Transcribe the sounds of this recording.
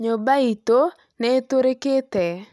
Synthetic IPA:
ɲobait̪o | nɛt̪oɾeket̪ɛ

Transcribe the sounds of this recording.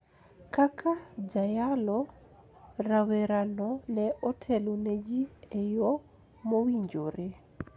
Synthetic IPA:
kakʰad͡zajalɔ | ɾawɛɾanɔnɛɔtʰɛluned͡ʒiɛjɔ | mowiɲd͡ʒoɾɛ

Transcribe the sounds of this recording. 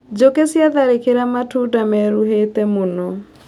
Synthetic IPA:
d͡ʒokesjaðaɾekeɾamatudamɛɾuɦetemonɔ

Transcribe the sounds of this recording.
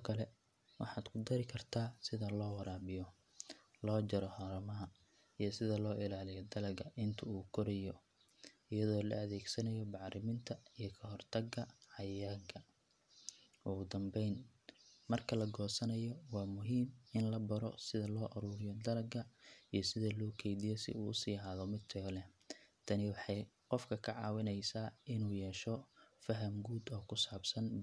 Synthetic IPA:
ɔkʰɐlɛ | wɑ̰ħɑːd̪̥kʰʊd̪ɐɾɪkʰɐrt̪ʰaːsɪðɐlɔːwɐɾaːbɪjɔ | lɔːd͡ʒɐɾɔhɐɾɐmɐɦɐ | ijɔsɪðɐlɔːʔɪlaːlɪjɔd̪ɐlɐɡɐʔɪnt̪ʰɐuːkʰɔɾɛjɔ | ɪjɐðɔːlɐ̰ɐðɛːɡsɐnɐjɔbɑʕɾɪmɪnt̪ʰɐijɔkʰɐɦɔrt̪ʰɐɡɐʕɑjaɡɐ | ʔʊɣʊd̪ɐmbɛjnmɐrkʰɐlɐɡɔːsɐnɐjɔwɑːmʊɦiːmɪnlɐbɐɾɔ̰sɪðɐlɔːʔɐɾuːɾɪjɔd̪ɐɾɐɡɐijɞsɪðɐlɔːkʰɛjðɪjɛsɪ̰uːʊsiːɦaːðɔmɪd̪̚t̪ʰɐɣɔlɛ | t̪ʰɐnɪwɑħɑjqɔfkʰɐkʰɐʕɑːwɪnɛjsaːʔɪnuːjɛːʃɔfɐɦɐmɡuːd̪ɔːkʰʊsaːbsɐn

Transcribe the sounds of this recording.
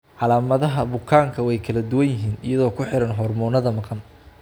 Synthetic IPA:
ʕɑlaːmɐðɐɦɐbʊkʰaːŋkʰɐwɛjkʰɐlɐd̪ʊwɐnjɪɦiːnɪ̰jɐðɔːkʰʊħɪɾɐnɦɔːrmɔːnɐðɐmɑqɑn

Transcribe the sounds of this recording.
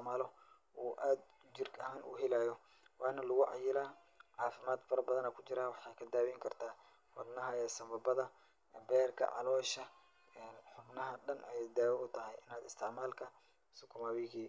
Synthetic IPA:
maːlɔ | ʔuːʔaːd̪ | d͡ʒɪrkʰɐhaːnʔʊ̰ɦɪlaːjɔ | wɑːnɐlʊɣʊʕɑ̰jɪlaː | ʕɑːfɪmaːd̪fɐɾɐbɐðɐnɛːkʰʊt͡ʃɪɾaːwɑħɑːkʰɐd̪aːwɛŋkʰɐrt̪ʰaː | wɐ̰d̪nɐɦɐɛːsɐmbɐbɐðɐ | bɛːrkʰɐ̰ʕɑ̰lɔːʃɐ | ɛːnħʊbnɐɦɐɖɐnʔɛjd̪aːwɛʊt̪ʰɐɦɛjɪnaːd̪ɪst̪ʰɛmaːlkʰɐ | sʊkʰʊmaːwɪɣiː

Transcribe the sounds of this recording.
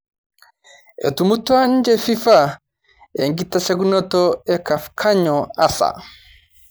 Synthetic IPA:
ɛ̰tumutːuand͡ʒɛfifa | eŋɡitːasɛɡunɔtɔɛkafkʰaɲɔasa̰

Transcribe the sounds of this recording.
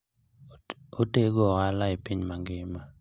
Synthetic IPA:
oteɡɔalaɪpiɲmaŋɡɪma

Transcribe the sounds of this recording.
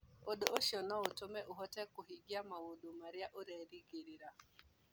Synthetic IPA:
oɗoʔoʃjɔnɔotomɛʔuɦɔtɛkoɦiɡiamawodomaɾɪaʔoɾɛɾiɡeɾiɾa

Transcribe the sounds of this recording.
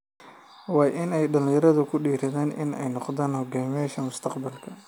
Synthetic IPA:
wɑːjʔɪnɛjɗɐlɪ̃jɐɾɐðʊkʰʊɖiːɾɐðaːnʔɪ̰nɛ̰jnqðaːnhɔɡaːmɪjaːʃɐmʊst̪ʰɐqbɐlkʰɐ

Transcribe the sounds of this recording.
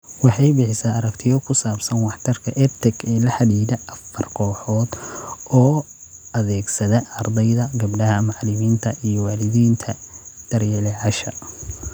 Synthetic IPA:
wɑħɑjbɪħɪsaːɐɾɐkt̪ʰɪjɔkʰʊsaːbsɐnwɑħt̪ʰɐrkʰɐʔɛrt̪ʰɛɡɛːlɐħɑðiːðɐʔɐfɐrkʰɔːħɔːd̪ɔː | ɐðɛːɡsɐðɛɐrd̪ɛjðɐɡɐbɖɐɦɐmɑʕlɪmiːnt̪ʰɐʔijɔwɑːlɪðiːnt̪ʰɐd̪̥ɐrjɛlɛʕɑʃɐ̰

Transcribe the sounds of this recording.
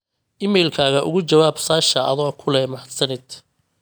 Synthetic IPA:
ʔɪmɛjlkʰaːɣɐʔʊ̰ɣʊt͡ʃɐwaːbsaːʃɐʔɐ̰ðɔːkʰʊlɛmɐħsɐnɪd̪

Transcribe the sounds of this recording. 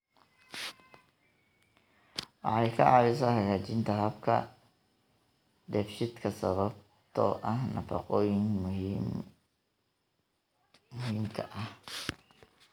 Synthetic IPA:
wɑ̰ħɑjkʰɐʕɑβɪs̬ɐhɐɣaːt͡ʃɪnt̪ʰɐɦɐbkʰɐ̰ | d̪ɛfʃɪd̪kʰɐsɐβɐb̚ | t̪ʰɔ̰ʔɐhnɐfɐ̰qɔːjɪŋ | ʊɦiːmkʰɐʔɐh

